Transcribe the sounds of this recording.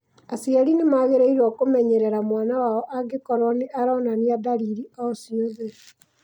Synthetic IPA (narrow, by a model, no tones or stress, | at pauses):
asiaɾinemaɣeɾeiɾwɔkomɛɲɛɾɛɾamwanawaɔʔaɡekɔɾɔneʔaɾɔnaniaðaɾiɾiɔsioðe